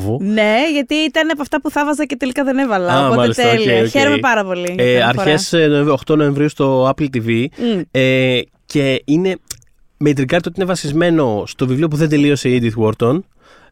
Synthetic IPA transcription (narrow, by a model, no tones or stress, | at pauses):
vone̞ʝɐt̪iit̪ɐneɐp̬ɐft̪ɐpuθɐvɐzɐcet̪elikɐðenevɐlɐomɐelist̪elieoçeɾomepɐɾɐpo̞liɐɾçesnoeoxt̪o̞no̞ẽ̞ɱvɾiust̪o̞ɐplt̪ivie | ce̞ine̞ | mejt̪ɾikɐɾt̪iot̪inevɐsizme̞no̞st̪o̞vivlio̞p̬uðe̞nd̪elio̞se̞id̪it̪woɾt̪on